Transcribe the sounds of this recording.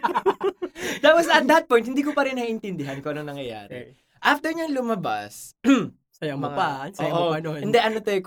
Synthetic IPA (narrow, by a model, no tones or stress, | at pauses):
d̪awɐsɐt̪̚d̪ɐt̪̚pɔjnt̪̚hɪnd̪iːk̬opɐɾɪnhaʔɪnt̪ɪnd̪ɪɦɐnkoʔɐnoŋnɐŋjɐja̰ːɾɛ̰ | ʔaft̪ɛɹɲaŋlʊmɐba̰sm | sɐjɐŋmɐpansɐojʔoɐnoɛnd̪ɛʔɐnot̪ajk